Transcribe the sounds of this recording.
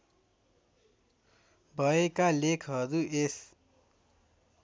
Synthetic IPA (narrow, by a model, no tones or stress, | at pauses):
bʱʌekalekʰɦʌɾues